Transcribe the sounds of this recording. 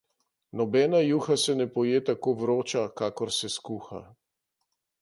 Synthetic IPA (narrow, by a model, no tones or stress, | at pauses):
nɔbɛːnajuːxasɛnɛpɔjeːt̪akoʋɾoːt͡ʃakaːkɔɾsɛskuːxa̰